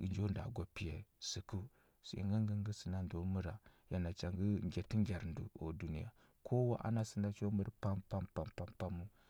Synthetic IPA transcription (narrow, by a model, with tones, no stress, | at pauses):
i˨nd͡ʒo˦nda̰˨ɡo˨pi˨je˨si˨ku˦ | sṵ˨ḭ˨ŋɡa˦ŋɡə˦ŋ˦ɡə˦si˨na˨ndo˨˦mu˦ɾa˨ja˨na˨t͡ʃa˨ŋɡə˦ŋɡʲe˨ti˦ŋɡʲa˨ɾndu˨o̰˨du˦nḭ˦ja̰˨ | kʰo˦wa˦ʔa̰˦na˦si˦nda˨t͡ʃo˦mə˦ɾpa˦mpa˦mpa˨mpa˨˦mpa˦mu˦